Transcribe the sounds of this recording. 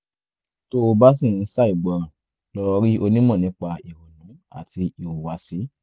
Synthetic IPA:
to˦o˧ba˦s̬ĩ˦˨ĩ˧˦sa˦i˦˨ɡ͡bɔ˨ɾã˨ | lɔ˦˧ɾi˦ʔo˧nĩ˦mɔ̃˦˨nĩ˨˦k͡pa˧i˨ho˨nũ˨˦a̰˦˨ti˧i˨wo˨wa˨˦si˨˦

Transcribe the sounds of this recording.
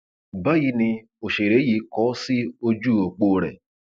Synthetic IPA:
ba˦ɣi˧nɪ˧ | o˨ʃe˨ɾe˨˦ji˧˦kɔ˨˦sɪ˦o˦d͡ʒu˦˨o˨k͡po˨˦ɾḛ˨

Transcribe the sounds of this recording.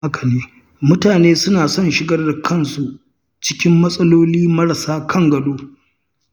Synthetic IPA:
a˦kɐ˨neː˦ | mʊ˦taː˨neː˦sʊ˦naː˨sɔ˦˨nʃɪ˦ɡɐ˦rda˨kʰɐ˦nsu˨ | t͡ʃɪ˦kʲɪ˦mːɐ˦sʼɐ˦loː˦liː˦mɐ˦ɾɐ˨saː˦kʰɐ˦ŋɡɐ˨doː˦

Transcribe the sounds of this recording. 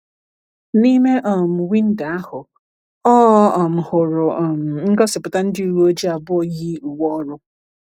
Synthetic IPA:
ni˦me˦ʔɔ˨m̩˨wi˦n̩˦da˨a˦hʊ˨ | ɔ˦ɔ˨m̩˨hʊ˨ɾʊ˨m̩˨ŋ̩˦ɡɔ˦sɪ˨pʊ˨ta˦n̩˦dɪ˦u˨ɾu˦o˦d͡ʒi˦a˨bʊ˦o˦ji˦u˨wɔ˦ɾʊ˦

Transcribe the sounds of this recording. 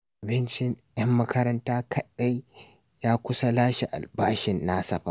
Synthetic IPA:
ʔʊ˨bɪ˦nt͡ʃɪ˦njɐ˦mːɐ˦kɐ˦ɾɐ˦ntaː˦kʰɐ˦ɗa˦j | jaː˦kʷʊ˦sɐ˦laː˦ʃi˨ʔa̰˨lbaː˦ʃɪ˨nːaː˦sɐ˨ɸa̰˦˨

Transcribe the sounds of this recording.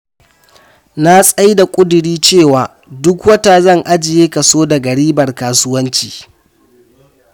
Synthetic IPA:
na˦sʼa˦jda˨kʷʼʊ˦dʊ˨ɽiː˦t͡ʃeː˦˨waː˨ | dʊ˦kwɐ˦ta˨zɐ˦˨ŋʔa˦d͡ʒɪ˨jeː˦kɐ˨soː˦da˨ɡɐ˨ɽiː˦bɐ˨rkaː˨sʊ˦wɐ˦nt͡ʃiː˨

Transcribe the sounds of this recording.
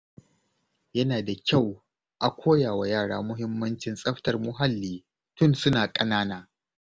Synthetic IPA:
jɐ˦naː˨da˨kʲa˦˨w | ʔa˨kʷʰoː˦jaː˨wa˨jaː˦˨ɽaː˦mʊ˦ɦɪ˦mːɐ˦nt͡ʃɪ˨nsʼɐ˦ɸtɐ˨rmʊ˦ɦa˦lːiː˨ | tʊ˦˨nsʊ˦naː˨kʼɐ˦naː˦naː˦

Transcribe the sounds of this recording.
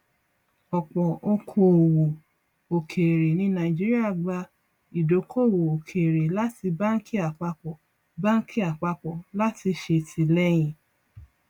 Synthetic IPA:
ɔ˨k͡pɔ˨o˧kʰo˧˦o˨wo˨ | o˨kʰe˨ɾe˨nĩ˧˦nã˨ĩ˨d͡ʒi˦ɾi˦a˦˨ɡ͡ba˧ | i˨do˨˦kʰo˦˨wo˨o˨kʰe˨ɾe˨la˦ti˧ba˦n̩˦kʰi˦a˨k͡pa˧k͡pɔ˨ | ba˦ŋ̩˦kʰi˦a˨k͡pa˧k͡pɔ˨la˦ti˧ʃe˧˨tʰi˧lɛ˦j̃ĩ˧˨

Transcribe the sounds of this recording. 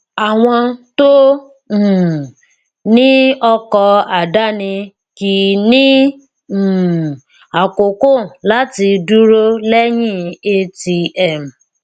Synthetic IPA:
a˨w̃ɔ̃˧to˦˨ | nĩ˦ɔ˧kɔ˧a˨da˦nĩ˧ | ki˨nĩ˦˨ | a˨ko˨ko˦˨la˨˦ti˧du˦ɾo˦lɛ˦jĩ˦˨e˧ti˧ɛ˦˨m̩˨

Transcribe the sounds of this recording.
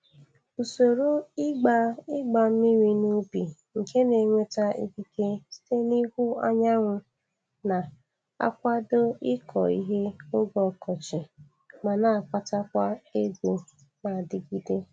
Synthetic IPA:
u˨so˨ɾo˦ɪ˦ɡ͡ba˨ɪ˦ɡ͡ba˨m̩˦mi˦ɾi˦nu˦bi˨ | ŋ̩˨ke˦ne˨ŋʷe˦ta˦ḭ˦ki˦ke˦si̥˦te˦ni˦hu˦a˦ɲa˦ŋʷʊ˦ | na˨ | a̰˦kʷa˦do˦ɪ˦kʰɔ̰˨ḭ˦ɦe˦ʊ˦ɡɔ˨kɔ˨t͡ʃɪ˨ | ma˨na˨a˨kʷa˦ta˦kʷa˦e˦ɡʷo˨ | ma˨dɪ˨ɡi˦de˦

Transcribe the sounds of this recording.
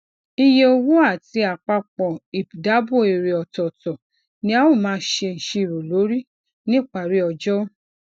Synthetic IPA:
i˧je˧o˧wu˦a˦˨ti˨˧˦a˨k͡pa˧k͡pɔ˨i˨pda˨˦bo˦˨e˨ɾe˨ɔ˨tɔ˨tɔ˨ | nĩ˦a˦wo˦˨mãː˨˦ʃe˧n̩˨ʃe˧˨ɾo˨lo˨˦ɾi˦ | nĩ˦˨k͡pa˨ɾi˦ɔ˧d͡ʒɔ˦

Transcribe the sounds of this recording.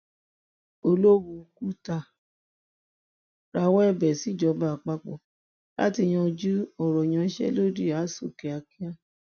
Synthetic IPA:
o˧lo˦wu˧ku˦ta˧˨ | ɾa˧wɔ˦ɛ˦˨bɛ˨si˨˦˨d͡ʒɔ˨˧˦ba˧˨k͡pa˧k͡pɔ̰˨ | lʔa̰˦ti˧˨j̃ɔ̃˧d͡ʒu˦ɔ˨ɾɔ˨j̃ã˧˦ʃɛ̰˦lo˦di˦˨a˨˦so˦˨ke˨a˧ki˦a˦

